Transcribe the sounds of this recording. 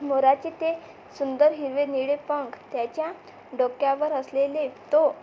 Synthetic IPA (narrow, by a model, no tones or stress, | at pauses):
moɾat͡ɕet̪e | sund̪əɾɦiɾʋeniɽepəŋkt̪jat͡ɕja | ɖokːjaʋəɾəslelet̪o